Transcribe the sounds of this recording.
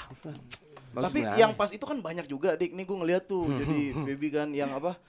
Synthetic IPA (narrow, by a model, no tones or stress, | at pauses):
t̪apijaŋpasit̪ukanbaɲak̚d͡ʒuɡadɪk̚niɡuaŋəliɦat̪ːʊd͡ʒadibebikanjaŋapa